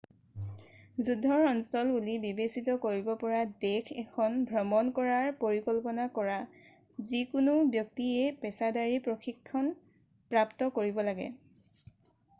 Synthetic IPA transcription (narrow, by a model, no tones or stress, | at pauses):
zudʱːɔɹɔnsɔlbulibibesitɔkoɹibɔpɔɹadekʰɛkʰɔnbʱɹɔmɔnkɔɹaɹpoɹikɔlpɔnakɔɹa | zikʊnubjɔk̚tiepɛsadaɹipɹoxikʰːɔn | pɹaptɔkoɹibɔlaɡɛ̰